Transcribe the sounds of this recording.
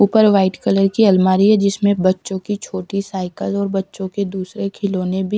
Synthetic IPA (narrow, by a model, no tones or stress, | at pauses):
uːpəɾʋaːɪʈkələɾkiɐlmaːɾiɦɛd͡ʒɪsmẽbɐtːʃõkit͡ʃʰoːʈisaːɪkəlɔːɾbɐtːʃõked̪uːsɾekʰɪlõːnebʱi